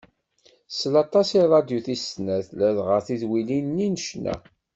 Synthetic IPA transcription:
slɑt̪ˤɑsiɾˤɑd̪juθisnæθlæðʁəɾθiðwilinnːinəʃnæ̰

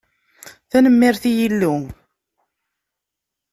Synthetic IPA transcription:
θænəmːɪɾθijilːu

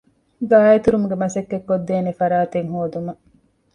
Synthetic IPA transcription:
ɡaːjet̪uɾumuɡemɐsɐkːekːod̪ːeːnifɐɾaːt̪eŋɦuːd̪umɐ

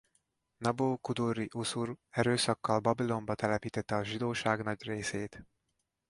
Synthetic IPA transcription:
nɒboːkud̪urːiʔusurɛɾøːsɒkːɒlbɒbilo̞mbɒt̪ɛlɛpiːt̪ɛt̪ːɛɒʒid̪oːʃaːɡnɒɟreːseːt̪

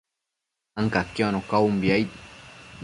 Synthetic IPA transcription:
aŋkakeonokaumbiajt̪

